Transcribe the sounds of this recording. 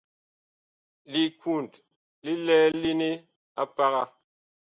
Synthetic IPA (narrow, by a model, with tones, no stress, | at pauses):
li˨ku˦˨nt | li˦lɛː˦li˦ne˦ | a˦pa˦ɣa˦